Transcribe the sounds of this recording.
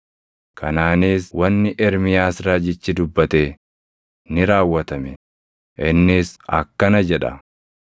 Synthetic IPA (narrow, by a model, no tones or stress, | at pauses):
kʰɐnaːniːswɐnːɪʔɛɾmɪjaːsɾaːd͡ʒɪt͡ʃːɪd̪ʊbːɐt̪eː | nɪɾaːwːɐt̪ɐmɛ | ʔɪnːɪsɐ̰kːɐnɐd͡ʒɛᶑɐ̰